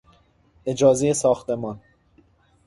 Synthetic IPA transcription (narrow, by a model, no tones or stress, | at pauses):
ʔe̞d͡ʒɒːzejesɒːxt̪e̞mɒn